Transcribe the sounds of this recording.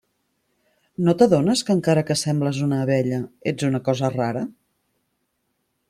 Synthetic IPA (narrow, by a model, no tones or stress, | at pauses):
not̪əðonəskəːŋkaɾəkəsɛmbləzunəːβɛʎəed͡zunəkɔzəraɾə